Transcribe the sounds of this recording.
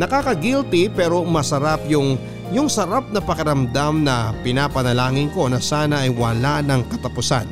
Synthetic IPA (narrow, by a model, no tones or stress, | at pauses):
nɐkaːkɐɡilt̪ipɛːɾo̞mɐsɐɾapjʊŋ | jʊŋsɐɾap̚nɐpɐkɪɾɐmd̪amnɐpɪnaːpɐnɐlaːŋɪnko̞nɐsaːnɐʔɐjwɐlanɐŋkɐt̪ɐpʊsa̰n